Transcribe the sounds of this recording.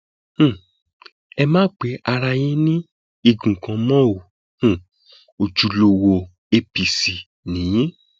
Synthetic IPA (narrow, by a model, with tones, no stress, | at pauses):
h̩˦˨ | ɛ˧mãː˦k͡pe˨˦ʔa˧ɾa˧jĩ˦nĩ˦ | i˦˧˨ɡũ˨kã˧mɔ̃˦o˨ | h̩˦˨ | o˨d͡ʒu˨lo˧wo˧ | e˧pi˨si˨ | nĩ˨jĩ˦